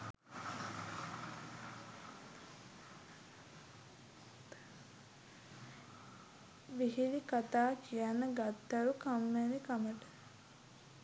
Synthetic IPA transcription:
ʋiɦilikat̪aːkijanːəɡat̪ːaʋəkamːeɾikaməʈə̥

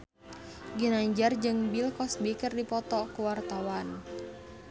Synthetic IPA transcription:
ɡinaɲd͡ʒard͡ʒɨŋbilkɔsbikərdipɔt̪ɔkuwart̪awan

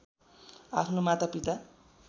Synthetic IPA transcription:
a̰pʰnomat̪apit̪a

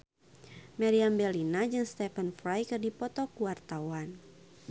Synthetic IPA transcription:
mɛɾiambɛlinad͡ʒɨŋst̪ɛfənfɾajkɨrdipɔt̪ɔkuwart̪awan

